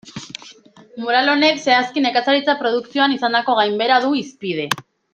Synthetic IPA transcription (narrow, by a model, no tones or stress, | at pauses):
muɾalo̞ne̞kse̞askine̞kasaɾit͡sapɾo̞ð̞uksioanisand̪ako̞ɣajmbe̞ɾaðuispið̞e̞